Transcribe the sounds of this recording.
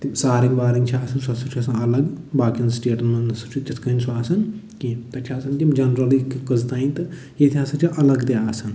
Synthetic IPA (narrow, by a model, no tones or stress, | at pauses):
t̪imsaːɾiŋɡʋaːɾiŋɡt͡ʃʰiaːsʰɐnsasut͡ʃʰasãɐlɐɡbaːkinsʈeːʈɐnmɐnɐsut͡ʃʰut͡ʃʲɐt̪ʰkɐnʲsʰuaːsɐn | kit̪ɐt͡ʃʲʰaːsɐnt̪imd͡ʒɐnɾɐlikikɐzt̪aːint̪ɨ | jet̪ʰʲiaːsɐt͡ʃʲʰiʔɐlɐɡt̪iaːsɐn